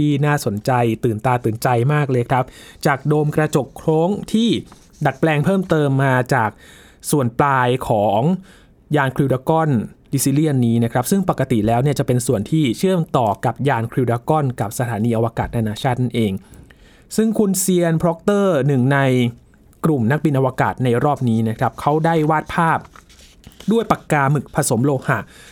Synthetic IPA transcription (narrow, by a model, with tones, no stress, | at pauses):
iː˥˩naː˥˩so˩˦nt͡ɕa˧jt̪ɯː˨˩nt̪aː˧t̪ɯː˨˩nt͡ɕa˧jmaː˥˩k̚lɤː˧jkʰɾa˦˥p̚t͡ɕaː˨˩k̚doː˧mkɾa˧t͡ɕo˨˩kʰɾoː˦˥ŋt̪ʰiː˥˩ | da˨˩t̪̚plɛː˧ŋpʰɤː˥˩mt̪ɤː˧mːaː˧t͡ɕaː˨˩k̚ | su˨˩ənplaː˧jkʰɔː˩˦ŋ | jaː˧nkʰɾi˧wdaː˧kɔ˥˩nli˧si˦˥li˥˩ənːiː˦˥na˦˥kʰɾa˦˥p̚sɯ˥˩ŋpa˨˩kːa˧t̪i˨˩lɛː˦˥wni˥˩ɐt͡ɕa˨˩pe˧nsu˨˩ənt̪ʰiː˥˩t͡ɕʰɯ˥˩əmt̪ɔː˨˩ka˨˩p̚jaː˧nkʰɾi˧wdaː˧kɔ˥˩nka˨˩p̚sa˧t̪ʰaː˩˦niː˧ʔa˧waː˧kaː˨˩t̪̚a˧naː˧t͡ɕʰaː˥˩t̪̚na˥˩nʔeː˧ŋ | sɯ˥˩ŋkʰu˧nsi˧ənpʰɾɔ˦˥k̚t̪ɤː˥˩nɯ˨˩ŋna˧j | kɾu˨˩mna˦˥k̚bi˧nʔa˧waː˧ka̰ː˨˩t̪̚na˧jɾɔː˥˩p̚niː˦˥na˦˥kʰɾa˦˥p̚kʰa˦˥wda˥˩jwaː˥˩t̪̚pʰaː˥˩p̚ | du˥˩əjpa˨˩kːaː˧mɯ˨˩k̚pʰa˧so˩˦mloː˧ha˧˩ʔ